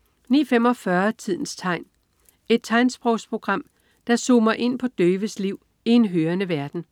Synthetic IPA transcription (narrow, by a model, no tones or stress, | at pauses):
nḭːɐfem̰ɒ̽fɶɐt͡sʰið̞̰ˠn̩st͡sʰɑ̈ɪ̰n | e̝d̥̚t͡sʰɑ̈ɪnsb̥ʁɔʊspʰʁo̝ɡ̥ʁɑ̈m̰ | d̥ɑ̈soːmɐʔe̝n̰pʰɒ̽d̥øːʋəsliʊ̰ | ie̝nɦøːɐnəʋæɐd̥n̩